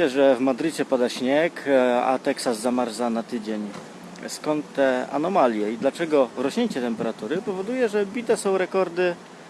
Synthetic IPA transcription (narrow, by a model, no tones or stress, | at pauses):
ɛʐɛvmad̪ɾɘt͡ɕɛpad̪aɕɲɛka̰t̪ɛksazzamaɾzanat̪ɘd͡ʑeɲ | skɔnt̪t̪ːɛa̰nɔmalʲjɛid̪lat͡ʂɛɡɔɾɔɕɲeɲt͡ɕɛt̪ɛmpɛɾat̪uɾɘpɔvɔd̪ujɛʐɛbʲit̪ɛsɔ̃w̃ɾɛkɔɾd̪ɘ